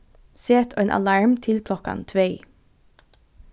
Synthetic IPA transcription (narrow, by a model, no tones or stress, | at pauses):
seːt̪ʰoːeːnʔɑ̰lɑɹmt̪ʰɪlkʰlɔkɑ̰nt̪ʰʋeɪ